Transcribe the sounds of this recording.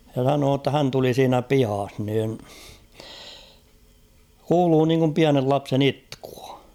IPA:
jɑ sɑnoː tːɑ hæn tuli siːnæ pihɑh niːn kuːluː niːŋkum piænel lɑpsen itku̥ɑ̥

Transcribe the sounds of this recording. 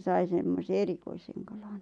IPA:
sɑi semːose erikoiseŋ kɑlɑn

